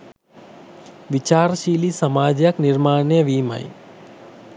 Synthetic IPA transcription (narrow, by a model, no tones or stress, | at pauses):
ʋɪt͡ʃaːɾʃiːlisɐmaːd͡ʒjəknɪɾmaːnjəʋiːmə̰j